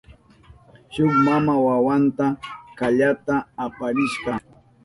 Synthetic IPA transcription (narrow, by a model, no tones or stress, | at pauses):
ʃʊkmamawawant̪akaʎat̪aːpaɾɪʃɢɑ